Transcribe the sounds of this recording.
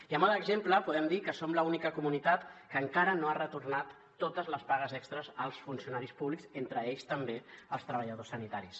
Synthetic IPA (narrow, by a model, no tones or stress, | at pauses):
iəmaləɡzempləpuðɛmd̪ikəsomləunikəkumunit̪at̪kəŋkaɾənoarət̪urnat̪ːot̪əzləspaɣəzɛkst̪ɾəzəlˠsfunsiunaɾispuβlikzent̪ɾəeʎst̪əmbeəlˠst̪ɾəβəʎəðosːənit̪aɾis